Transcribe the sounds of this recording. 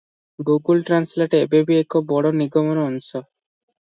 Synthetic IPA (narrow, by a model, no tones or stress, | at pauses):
ɡuɡulʈɾansleʈebebiekʰobɔɽɔniɡɔmɔnɔnʃɔ